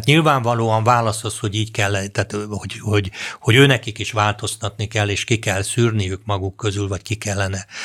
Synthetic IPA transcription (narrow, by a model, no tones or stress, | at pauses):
t̪ɲilvaːɱvɒloːɒɱvaːlɒsosho̞ɟiːckɛlːt̪aːt̪hohoɟho̞ɟøːnɛkikiʃʋaːlt̪o̞st̪ɒt̪nikɛlːeːʃkikɛlsyːrnijykmɒɡukːø̞zylvɒckikɛlːɛnɛ